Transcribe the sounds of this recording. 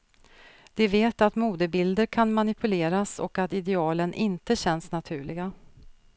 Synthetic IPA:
d̪̥ɛveːt̪at̪muːd̪əbɪld̪əɾkʰanmanɪpʰɵleːɾasɔ̰kat̪ɪd̪ɛɑːlənʔɪnt̪əɕɛnːsnat̪ʰʉ̟ːɭɪɡa

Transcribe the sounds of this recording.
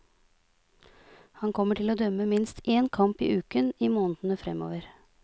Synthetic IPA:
hɑnkʰɔmːəʈʰɪloːd̪œmːəmɪnst̪ʔeːnkʰɑmpḭːʔʉːkəniːmoːnəd̪n̩əfɾɛmo̰ːʋəɾ

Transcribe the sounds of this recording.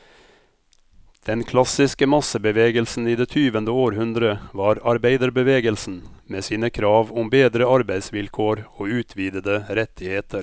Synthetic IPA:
d̪̥ɛnkʰlɑsɪskəmɑsəbəʋeːɡəlsn̩iːd̪eːt̪ʰyːʋənd̪əoːɾhʉnd̪ɾəʋɑːɾɑɾbæɪd̪əɾbəʋeːɡəlsn̩meːsiːnəkʰɾɑːʋʊmbeːd̪ɾəɑɾbæɪd̪sʋɪlkʰoːɾoːʉːt̪ʰʋiːd̪əd̪əɾɛt̪ʰɪheːt̪ʰəɾ

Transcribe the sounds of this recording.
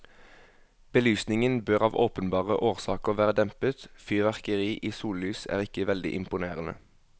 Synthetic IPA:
b̥əlyːsnɪŋənbøːʁɑːʋoːpənbɑːʁəʔoːʁsɑːkəʁʋæːʁəd̪ɛmpət̪fʏːʋæʁkəʁiːʔiːsuːllyːsæ̰ːʁɪkəʋɛld̪ɪ̰ʔɪmpʊneːʁənə̰

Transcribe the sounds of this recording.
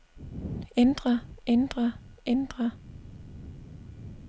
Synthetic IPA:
end̥ʁɐend̥ʁɐʔend̥ʁɐ

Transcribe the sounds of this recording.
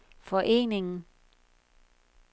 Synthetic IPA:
fɒʔe̝̰ːne̝ŋn̩

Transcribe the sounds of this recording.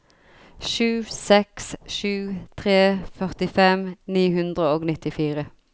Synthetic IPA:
ʃʉːsɛksʃʉːt̪ʰʁeːfœʁt̪ɪfɛmniːhʉnd̪ʁəoːɡnɪt̪ɪfiːʁə

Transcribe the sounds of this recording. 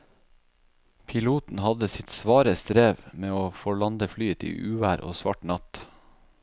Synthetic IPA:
pʰɪluːt̪n̩hɑd̪əsɪt̪sʋɑːɾəst̪ɾeːʋmeːoːfɔɭɑnd̪əflyːət̪ḭːʔʉːʋæːɾʔo̰ːsʋɑ̰ʈnɑt̪

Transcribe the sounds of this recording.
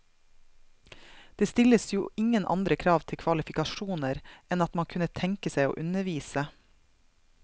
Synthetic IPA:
d̪̥eːst̪ɪləsjuːʔɪŋənʔɑ̰nd̪ɾəkʰɾɑːʋt̪ʰɪkʰʋɑlɪfɪkɑʃuːnəɾʔɛnɑt̪mɑnkʰʉnət̪ʰɛŋkəsæɪo̰ːʔʉnəʋiːsə

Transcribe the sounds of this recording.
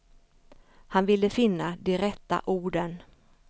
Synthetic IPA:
hanvɪlːəfɪnːad̪ɪɾɛtt̪a̰ʔuːɖən

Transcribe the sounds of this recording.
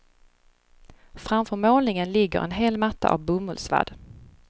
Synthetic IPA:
fɾamfœɾmoːlnɪŋənlɪɡːə̰ɾɛ̰nɦeːlmat̪ːa̰ʔa̰vbɵmɵlsva̰d̪̥

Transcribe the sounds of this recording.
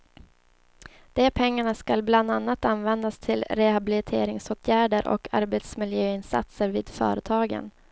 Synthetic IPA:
d̪̥ɛpʰɛŋːaɳaskalbland̪anːat̪anvɛnd̪ast̪ʰɪlɾɛhabɪlɪt̪ʰḛːɾɪŋsoːt̪ʰjæːɖəɾʔɔ̰kʰa̰ɾbet̪smɪljøːɪnsa̰t̪səɾviːd̪̥fœ̰ːɾət̪ʰɑːɡə̰n

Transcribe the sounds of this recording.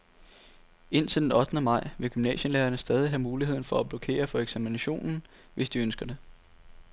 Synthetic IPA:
e̝n̰t͡sʰe̝ld̥enɒ̽d̥nəmɑ̈ɪ̰ʋe̝ɡ̥ymnɛ̰ːɕənleːɐnəsd̥ɛːð̞ˠiɦæmuːlihe̝ð̞̰ˠn̩fɒ̽æb̥lo̝kʰe̝̰ːɐfɒ̽eɡ̥sæminæɕo̝̰ːnn̩ | ʋe̝sd̥iønsɡ̥ɐd̥e̝

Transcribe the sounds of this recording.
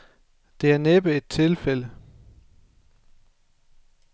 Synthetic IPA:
d̥e̝æɐneb̥əe̝d̥̚t͡sʰe̝lfel̰ə

